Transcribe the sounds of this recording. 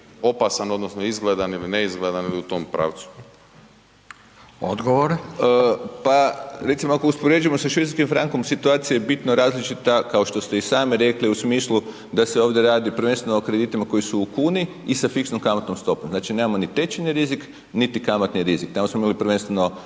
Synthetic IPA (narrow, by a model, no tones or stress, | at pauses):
o̞pasano̞d̪nosnoizɡled̪anilineizɡled̪aniliut̪oːmpɾa̰ːʋt̪su̥ | o̰d̪ɡoʋoɾeəpaɾe̞t̪simoakouspoɾe̞d͡ʒuje̞mosaʃʋit̪askimfɾaŋko̞msit̪uaːt̪sijajebit̪noɾaːzlit͡ʃit̪akaoʃt̪o̞st̪e̞isaːmiɾe̞kliusmiːslˠu | d̪aseo̞ːʋd̪ʲjeɾaːd̪ipɾ̩ʋe̞nst̪ʋenookɾe̞d̪it̪imako̞jisuːkuːniːsafiksnomkamat̪nomst̪o̞pomznaːt͡ʃine̞ːmamo̞nit̪e̞t͡ʃeniɾizik | nit̪ikamat̪niɾizikt̪amosmoimalipɾ̩ʋe̞nst̪ʋeno̞